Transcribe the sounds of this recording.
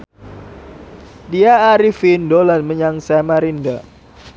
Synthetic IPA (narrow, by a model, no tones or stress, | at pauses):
diaːɾifindolanməɲaŋsamaɾinda